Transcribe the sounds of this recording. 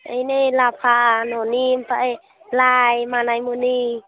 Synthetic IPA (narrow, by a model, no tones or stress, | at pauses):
əjnelapʰaʔnɔnimpaʔe | lajmanajmuni